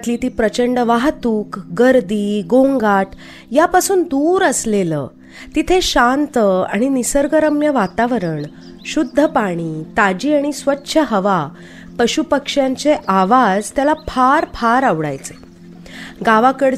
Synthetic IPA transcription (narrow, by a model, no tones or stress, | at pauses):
t̪liːt̪iːpɾət͡ɕəɳɖʋaɦt̪uːkɡəɾd̪iːɡõŋɡaʈ | japasuːnd̪uɾəslelə̰ː | t̪it̪ʰeɕant̪əa̰ɽ̃inisəɾɡəɾəmjəʋat̪aʋəɾəɳ | ɕud̪ʱːəpaɽ̃iːt̪ad͡ʑiːaɽ̃isʋətːɕʰəɦəʋa | pəɕupəkʂjãɲt͡seʔaʋad͡zt̪jalapʰaɾpʰaɾaʋɽa̰jt͡se̥ | ɡaʋakəɽ